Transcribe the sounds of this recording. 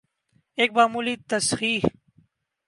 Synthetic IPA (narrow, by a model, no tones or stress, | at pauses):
eːk̚baːmulit̪ɐsxiːh